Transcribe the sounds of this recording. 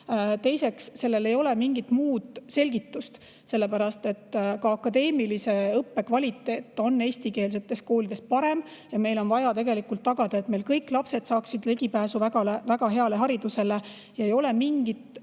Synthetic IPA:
t̪e̞jse̞ksse̞lːe̞le̞jo̞le̞miŋɡit̪ːmuːd̪̥se̞lʲɡ̥it̪ːust̪ | se̞lːe̞pæɾɑst̪e̞t̪ːkɑɑkːˑɑd̪e̞ːmilise̞ɤpːe̞kvɑlʲit̪ːˑe̞ːt̪ːˑo̞nːe̞ːsʲt̪ike̞ːls̬e̞t̪ːˑe̞sko̞ːlʲid̪̥e̞spɑɾe̞m | jɑme̞jlo̞nvɑjɑt̪e̞ɡe̞likult̪ːɑɡ̥ɑd̪ɑe̞t̪me̞lkɤjkˑlɑpse̞t̪sɑːksid̪̥leɡipæːsuvæɡɑlevæɡ̥ɑɦe̞ɑle̞ɦɑɾid̪̥use̞le | jɑejo̞le̞miŋɡ̥it̪

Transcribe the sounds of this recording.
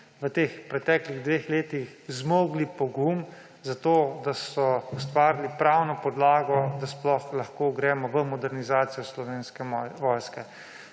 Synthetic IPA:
ʋət̪eːxpɾɛt̪ɛːkliɣd̪ʋeːxleːt̪ixzmoːɡlipɔɡum | zat̪oːd̪asɔust̪ʋaːɾilipɾawnɔpɔd̪laːɡɔd̪asplɔxlaxkoɡɾɛːmɔʋəmɔd̪ɛɾnizaːt̪sijɔslɔʋeːnskɛʋɔːjskɛ

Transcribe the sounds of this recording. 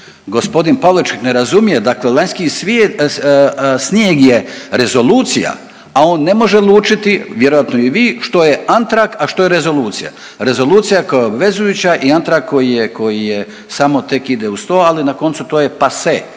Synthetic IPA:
ɡo̞spo̞d̪inpaʋloit͡ʃkikne̞ɾazumije̞d̪aklelaɲʲskisʋ | snjeːɡje̞ɾe̞zo̞luːt̪sija̰ | ao̞ːnːe̞mo̞ʒelˠuːt͡ʃit̪iʋjeɾo̞jat̪noiʋiːʃt̪o̞je̞ant̪ɾakaʃt̪o̞jeɾe̞zo̞luːt̪sija̰ | ɾe̞zo̞lˠuːt̪sijakojaobʋe̞zujut͡ɕaʔiant̪ɾakkːojijeko̞jije | samo̞t̪e̞kid̪eust̪o̞ːalinako̞nt̪sut̪oːje̞pase

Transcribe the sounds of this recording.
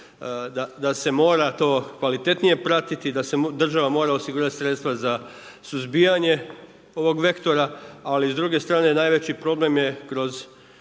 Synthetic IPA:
d̪ad̪ase̞mo̞ːɾat̪o̞ːkʋalit̪e̞t̪nije̞pɾat̪it̪id̪ase̞d̪r̩ʒaʋamo̞ːɾaosiɡuːɾat̪i̥sɾet̪st̪ʋaza | suzbijaɲe̞ | o̞ʋo̞ɡʋe̞kt̪o̞ɾaalizd̪ɾuɡe̞st̪ɾaːne̞najʋet͡ɕipɾo̞ble̞mje̞kɾo̞z

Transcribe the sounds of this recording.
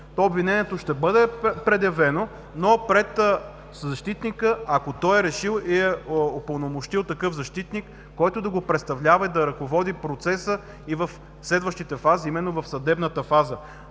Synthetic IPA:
t̪ɔobvinɛniɛt̪oʃt̪ɛbɤd̪ɛpɾɛd̪jɐvɛno | nopɾɛt̪ | zɐʃt̪it̪nikəakot̪ɔjɛɾɛʃilˠiɛopɐlˠnomoʃt̪ilˠt̪ɐkɤfzɐʃt̪it̪nikː | ɔjt̪ʊd̪ɐɡopɾɛt̪st̪ɐvlʲavɐid̪ɐɾɐkovɔd̪ipɾot̪sɛsə | ivɐf | slɛd̪vəʃt̪it̪ɛfaziimɛnːovɐfsɐd̪ɛbnət̪əfazə

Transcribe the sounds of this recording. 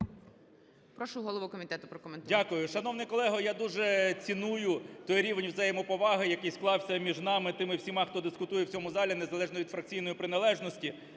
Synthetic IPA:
pɾɔʃʊɦɔlˠɔʋukɔmʲit̪ɛt̪ʊpɾɔkɔment̪dʲakʊjʊʃɐnɔwnɪjkɔlˠɛɦɔjad̪uʒɛt͡sʲinujʊt̪ɔjɾʲiʋenʲwzɐjɛmɔpɔʋɑɦɪjɐkɪjsklˠɑwsʲɐmʲiʒnɑmɪt̪ɪmɪwsʲimɑxt̪ɔd̪ɪskʊt̪ujɛwt͡sʲɔmʊzɑlʲinezɐlˠɛʒnɔʋʲid̪fɾɐk̚t͡sʲijn̪ɔjipɾɪnɐlˠɛʒnɔsʲtʲi

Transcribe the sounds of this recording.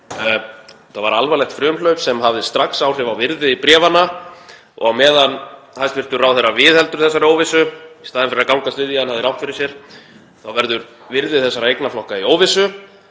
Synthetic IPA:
θavaɾalvalɛxt̪fɾʏːmlœɥpsɛmɦavðɪst̪ɾaksawr̥ɪvawvɪɾðɪipɾjɛːvana | ɔ̰ɣawmɛːðanhajst̪vɪr̥t̪ʏrawθɛɾavɪðhɛlt̪ʏɾ̥θɛsːaɾɪoːwvɪsʏist̪aːðɪnfɪɾɪɾakawŋkast̪vɪðjanhavðɪɾawht̪fɪɾɪsjɛɾ̥ | θawvɛɾðʏɾ | vɪɾðɪθɛsːaɾaejknaflɔhkaioːwvɪsʏ

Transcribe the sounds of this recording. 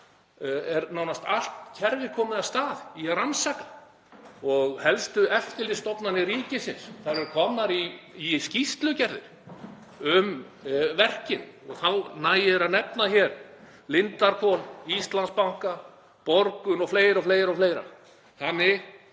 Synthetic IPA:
ɛɾnawnast̪al̥t̪cʰɛɾvɪɾkʰɔːmɪðast̪aːðiaɾansakḁ | ɔɣhɛlst̪ʏɛft̪ɪlɪst̪ɔpnanːɪɾiːcɪsɪnsθaɾɛɾkʰɔːmnaɾiːscist̪lʏcɛɾðɪ̰ɾ̥ | ʏm | vɛr̥cɪnɔɣθawnaːjɪɛɾanɛpnaçɛɾ | lɪnt̪aɾkʰɔnist̪lanspawŋ̥ka | pɔɾkʏnɔfleːjɾawfleːjɾawfleːjɾa̰ | θanːɪɣ

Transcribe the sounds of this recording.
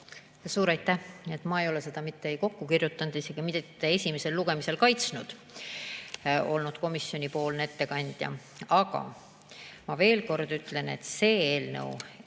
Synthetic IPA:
ɑsuːɾɑjt̪ːˑæhe̞t̪ːˑmɑejo̞lese̞d̪̥ɑmit̪ːeejko̞kːukirjut̪ˑːɑnd̪̥ise̞ɡ̥imit̪ee̞sʲimese̞lːuɡ̥e̞mise̞lkɑjt̪snud̪̥ | o̞lnud̪̥ko̞misːjo̞nʲipo̞ːlnet̪ːe̞kɑnʲd̪̥jɑ̰ | ɑɡ̥ɑ̰ | mɑve̞ːlko̞rd̪̥yt̪ːˑle̞ne̞̰t̪ːse̞ːeːlnɤ̰w

